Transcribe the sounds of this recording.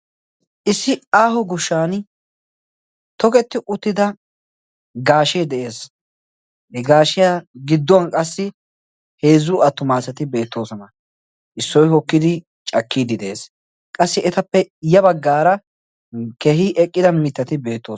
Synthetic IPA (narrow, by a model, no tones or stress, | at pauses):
ʔɪsːɪaːɦʊɡʊʃːaːn | t̪ɔkɛt̪ːɪʔʊt̪ːɪd̪ɐ | ɡaːʃed̪ɛʔe̞ːs | ɡaːʃɪjaːɡɪd̪ːɔɐnkʼɐsːɪ | he̞ːzʊɐt̪ːʊmaːsɐt̪ɪbe̞ːt̪ːoːsɔnɐ | ʔɪsːɔjhɔkːɪd̪ɪ | t͡ʃʼɐkːiːd̪ɪd̪ɛʔeːs | kʼɐsːɪɛt̪ɐpːɛjɐbɐɡːaːɾɐ | keːhɪʔɛkʼːɪd̪ɐmɪt̪ːɐt̪ɪbe̞ːt̪ːoː